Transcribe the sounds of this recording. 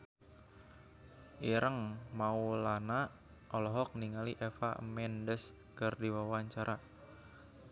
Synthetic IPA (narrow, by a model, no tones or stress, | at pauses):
ʔiɾʔəŋmaulana | ʔɔlɔɦɔk̚niŋaliʔefa̰mɛndəs | kərdiwawaɲt͡ʃaɾa